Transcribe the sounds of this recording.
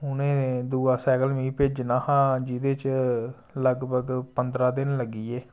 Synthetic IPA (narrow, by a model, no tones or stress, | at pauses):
ʊnẽːd̪uːaːsɛːkəlmĩːped͡ʒnaːhãːd͡ʒiːd̪eːt͡ʃ | ləɡbʱəɡpənd̪ɾaːd̪ɪnləɡiːeː